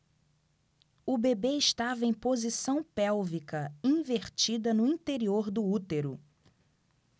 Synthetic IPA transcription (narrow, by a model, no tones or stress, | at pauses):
ʊbebeɪʃt̪avɐẽj̃pozisɐ̃w̃pɛwvikɐĩveɾt͡ʃid̪ɐnʊĩt̪eɾioɾd̪ʊut̪eɾʊ